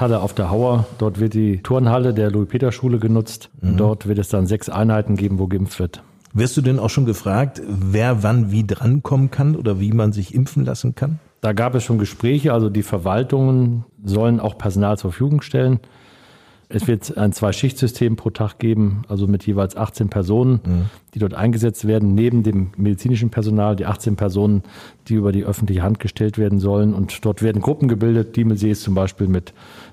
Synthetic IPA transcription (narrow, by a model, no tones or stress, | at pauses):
haləaʊfd̥eːɐɦaʊɐd̥ɔɐtv̥ɪɐt̚d̥iːtʰʊɐnhalədeːɐluipʰeːdɐʃuːləɡənʊt͡stʊnd̥ɔɐtv̥ɪɐtɛsd̥anzɛksʔa̰ɪnhaɪtn̩ɡeːbm̩voːɡəɪmftv̥ɪɐt | vɪɐstd̥uːdɛnaʊʃoːnɡəfʁ̥aːk̚tveːɐvanviːdʁankʰɔmənkʰanʔo̰ːdɐviːmanzɪçʔɪmfn̩la̰sn̩kʰand̥aːɡaːpɛsʃoːnɡəʃpʁ̥ɛːçəʔalzodiːfɛɐvaltʊŋənzɔləna̰ʊxpʰɛɐzonaːlt͡suːɐfyːɡʊŋʃtʰɛlən | ʔɛsv̥ɪɐtʔaɪnt͡sv̥aɪʃɪçtz̥ʏstʰeːmpʰʁ̥oːtʰaχɡ̥eːbm̩ʔalzomɪtʰjeːvaɪlsʔaχt͡seːnpʰɛɐzoːnənd̥iːdɔɐtʔa̰ɪnɡəzɛt͡stv̥eːɐdn̩neːbm̩deːmːedit͡siːnɪʃ̬n̩pʰɛɐzonaːldiːʔaχt͡seːnpʰɛɐzoːnənd̥iːʔyːbɐdiːʔœfn̩tlɪçəɦant̚ɡ̥əʃtʰɛltv̥eːɐdn̩zɔlənʊntd̥ɔɐtveːɐdn̩ɡʁʊpm̩ɡəbɪldət̚d̥iːməlzeːst͡sʊmbaɪʃpiːlmɪt